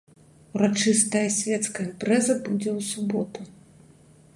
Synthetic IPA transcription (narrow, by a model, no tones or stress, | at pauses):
ɾat͡ʂɨst̪ɐjɐsʲvʲɛt̪skɐimpɾɛzɐbud͡zʲɛwsubɔt̪u